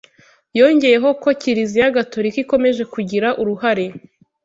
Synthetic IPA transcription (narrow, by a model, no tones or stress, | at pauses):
jo̞ːɲɟeje̞ɦo̞ko̞ciɾizijaɡato̞ɾikiko̞me̞ʒe̞kuɟiɾaʔuɾuɦaɾe̞